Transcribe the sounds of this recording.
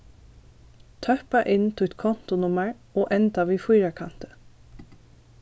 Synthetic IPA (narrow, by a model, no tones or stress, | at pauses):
t̪ʰœpɑʔɪnt̪ʰʊːɛt̪kʰɔnt̪ʊnʊməɹ | oːʔɛnt̪ɑʋiːfuːɾɑkʰɑnt̪ə̥